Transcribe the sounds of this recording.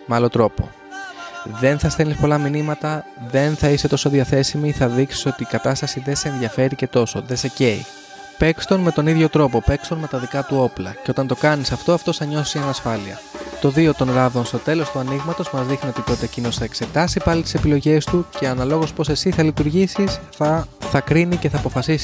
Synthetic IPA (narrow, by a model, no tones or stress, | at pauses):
meɐlo̞t̪ɾo̞po̞̰ | ðe̞nθɐst̪e̞nispo̞lɐminimɐt̪ɐ | ðe̞nθɐise̞t̪o̞so̞ðiɐθe̞simiθɐðiksi̥so̞t̪iːkɐt̪ɐst̪ɐsiðe̞seːnðʝɐfe̞ɾice̞t̪o̞so̞ðe̞se̞ce̞ḭ | pe̞kst̪o̞nme̞t̪o̞niðʝo̞t̪ɾo̞po̞pe̞kst̪o̞nme̞t̪ɐðikɐt̪uo̞plɐ̰ceot̪ɐnt̪o̞kɐnisɐft̪o̞ɐft̪o̞θɐɲo̞sienɐsfɐliɐ̰ | t̪o̞ðio̞t̪o̞nlɐvðo̞nst̪o̞t̪e̞lo̞st̪uɐniɣmɐt̪o̞zmɐzðixnio̞t̪it̪o̞t̪eːcino̞sθɐekse̞t̪ɐsipɐlit̪i̥se̞pilo̞ʝe̞st̪uce̞ɐnɐlo̞ɣo̞spo̞se̞siθɐlit̪uɾʝisisθɐθɐkɾinice̞θɐːpo̞fɐsisi